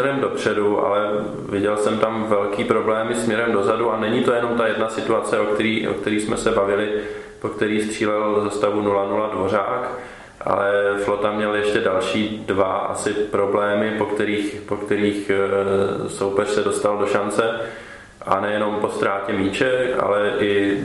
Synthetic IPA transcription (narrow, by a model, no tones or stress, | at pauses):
ɛɾɛmdo̞pr̝̥ɛduʔa̰lɛ | vɪɟɛlsɛmt̪amvɛlkiːpɾo̞blɛːmɪsmɲɛɾɛmdo̞zaduanɛɲit̪o̞jɛno̞mt̪ajɛdnasɪt̪uat͡sɛʔo̞kt̪ɛɾiːʔo̰kt̪ɛɾiːsmɛsɛbavɪlɪ | po̞kt̪ɛɾiːst̪r̝̥iːlɛlzast̪avunulanuladvo̞r̝aːk | ʔa̰lɛflo̞t̪amɲɛljɛʃcɛdalʃiːdvaa̰sɪpɾo̞blɛːmɪpo̞kt̪ɛɾiːxpo̞kt̪ɛɾiːx | so̞wpɛr̝̥sɛdo̞st̪aldo̞ʃant͡sɛ | ʔa̰nɛjɛno̞mpo̞st̪ɾaːcɛmiːt͡ʃɛʔa̰lɛʔɪ